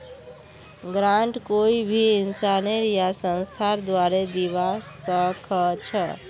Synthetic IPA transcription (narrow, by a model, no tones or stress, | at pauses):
ɡɾãɳʈkoibʱiɪnsaneɾjasə̃nst̪ʰaɾd̪ʋaɾed̪iʋasəkʰət͡ʃʰə